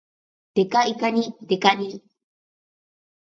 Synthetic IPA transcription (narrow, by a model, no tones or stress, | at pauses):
t̪ekaikanĩt̪ekanĩ